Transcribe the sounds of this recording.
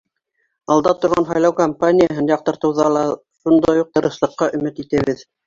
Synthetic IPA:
ɑlˠd̪ɑt̪ŏɾʁɑnɦɑjlˠɑwkɐmpanʲɪjaɦɤnjɑqt̪ɤ̆ɾt̪ɤ̆wðɑlˠɑ | ʃund̪ɑjuq̚t̪ɤ̆ɾɤ̆ʃlˠɤ̆qːɑʔɵ̆mɘt̪it̪æβɘð

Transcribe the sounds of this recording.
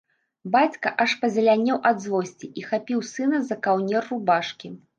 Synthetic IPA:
bat͡sʲkɐʔɐʂpɐzʲɐlʲanʲɛwʔɐd̪zvɔsʲt͡sʲiʔixapʲiwsɨnɐzɐkawnʲɛrːubaʂkʲi

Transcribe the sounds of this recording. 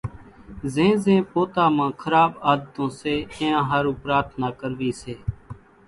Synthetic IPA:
zẽːzẽːpoːt̪aːmãːkʰəɾaːbaːd̪ət̪õːseːɪ̃ːãːɦəɾuːpɾaːt̪ʰnaːkəɾʋiːseː

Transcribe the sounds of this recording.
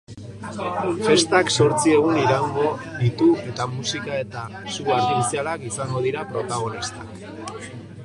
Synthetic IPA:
fe̞st̪akso̞ɾt͡sie̞ɣ̞uniɾaŋɡo̞d̪it̪ue̞t̪amusikae̞t̪a | suaɾðiɾisialakisaŋɡo̞ðiɾapɾo̞t̪aɣ̞o̞nist̪ḁk

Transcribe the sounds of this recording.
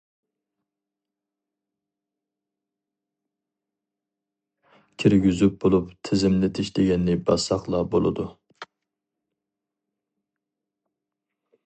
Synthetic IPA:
kʲʰiɾɡʲyzyp̚bolˠupt̪ʰɪzɪmlɪt̪ʰɪʃd̪eɡʲɛnːɪbɑsɑχlˠɑbo̰lˠɨ̰d̪u

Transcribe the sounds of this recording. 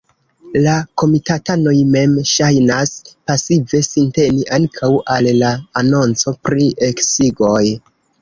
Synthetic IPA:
lako̞mitatano̞jme̞mʃajnaspasive̞sinte̞niʔaŋkʰawʔallaːno̞nt͡so̞pɾie̞ksiɡo̞j

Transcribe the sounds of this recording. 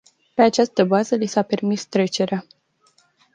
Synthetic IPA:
pe̞at͡ʃast̪əbazəlisape̞rmist̪ɾet͡ʃe̞ɾea

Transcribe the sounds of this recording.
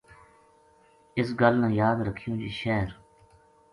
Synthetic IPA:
ɪs̬ɡəlnãːjaːd̪ɾəkʰijõːd͡ʒiːʃɛːɾ

